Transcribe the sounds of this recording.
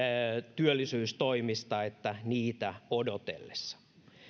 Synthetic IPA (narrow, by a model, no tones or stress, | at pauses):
t̪yølːisyːst̪oimist̪ɑet̪ːæniːt̪æodot̪ḛlːesːɑ̥